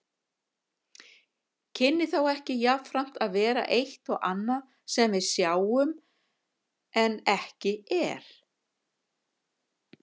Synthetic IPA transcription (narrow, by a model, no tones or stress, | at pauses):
cʰɪnːɪθawɛhcɪjavfɾam̥t̪aðvɛːɾa̰ʔejht̪ɔɣanːa | sɛmvɪðsjaːwʏm | ɛnɛhcɪɛ̰ɾ̥